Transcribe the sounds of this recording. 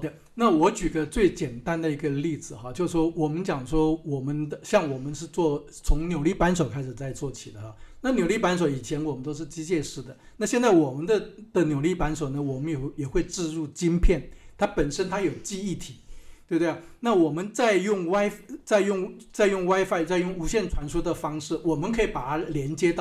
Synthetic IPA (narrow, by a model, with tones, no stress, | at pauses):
d̪ə˧ | na˥˩wɔ˧˥t͡ɕy˨˩d̪ə˦t͡swe˥˩ɪt͡ɕjɛ˨˩nt̪a˦˥nd̪ə˨i˧˥ɡə˧li˥˩d͡zɹ̩˨˩xɑ˧t͡ɕjo˥˧ʊʂ̩˥˩ʂwɔ˥wɔ˨˩mə˦nt͡ɕjɑ˨˩ŋʂwɔ˥wɔ˨˩mə˦nd̪ə˧ɕjɑ˥˩ŋwɔ˨˩mə˦nʂɻ̩˥˧t͡swɔ˥˩ | t͡sʰʊ˧˥ŋnjo˨˩ʊli˥˩pa˧˥nʂo˨˩ʊkʰa˥ɪʂɻ̩˨˩t͡sa˥˧ɪt͡swɔ˥˩t͡ɕʰi˨˩d̪ə˦xɑ˧˩na˥˩njo˨˩ʊli˥˩pa˧˥nʂ̬o˨˩ʊi˨˩t͡ɕʰjɛ˧˥nwɔ˨˩mə˦nt̪o˥ʊʂ̬ɻ̩˥˩t͡ɕi˥t͡ɕjɛ˥˧ʂɻ̩˥˩d̪ə˩na˥˧ɕjɛ˥˧nt͡sa˥˩ɪwɔ˨˩mə˦nd̪ə˧d̪̥ə˨njo˨˩ʊli˥˩pa˧˥nʂ̬o˨˩ʊnə˦wɔ˨˩mə˦njɛ˨˩jɛ˨˩xwe˥˧ɪʈ͡ʂɻ̩˥˧ɻu˥˩t͡ɕi˥npʰjɛ˥˩nt̪ʰa˥pə˨˩nʂə˥nt̪ʰa˥jo˨˩ʊt͡ɕi˥˧i˥˩t̪ʰi˨˩˦t̪wwe˥˩bt̪we˥˩ | na˥˩wɔ˨˩mə˦nt͡sa˥˧ɪjʊ˥˩ŋwa˥ɪft͡sa˥˧ɪjʊ˥˩ŋt͡sa˥˧ɪjʊ˥˩ŋwa˥ɪfa˥ɪt͡sa˥˧ɪjʊ˥˩ŋu˧˥ɕjɛ˥˩nʈ͡ʂʰwa˧˥nʂu˥d̪ə˨fɑ˥ŋʂɻ̩˥˩wɔ˨˩mə˦nkʰɤ˧˥i˨˩pa˨˩˥ljɛ˧˥nt͡ɕjɛ˥t̪ɑ˥˨˩